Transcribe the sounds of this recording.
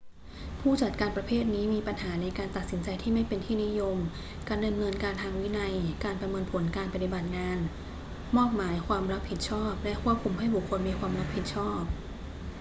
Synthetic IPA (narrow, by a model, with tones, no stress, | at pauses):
pʰuː˥˩t͡ɕa˨˩t̪̚kaː˧npɾa˧pʰeː˥˩t̪̚niː˦˥miː˧pa˧nhaː˩˦na˧jkaː˧nt̪a˨˩t̪̚si˩˦nt͡ɕa˧jt̪ʰiː˥˩ma˥˩jpe˧nt̪ʰiː˥˩ni˦˥jo˧m | kaː˧nda˧mnɤː˧nkaː˧nt̪ʰaː˧ŋwi˦˥na˧jkaː˧npɾa˧mɤː˧npʰo˩˦nkaː˧npa˧t̪i˨ba˨˩t̪̚ŋaː˧n | mɔː˥˩k̚maː˩˦jkʰwaː˧mɾa˦˥p̚hi˨˩t̪̚t͡ɕʰɔː˥˩p̚lɛ˦˥kʰu˥˩əp̚kʰu˧mɦa˥˩jbu˨˩kʰːo˧nmiː˧kʰwaː˧mɾa˦˥p̚hi˨˩t̪̚t͡ɕʰɔː˥˩p̚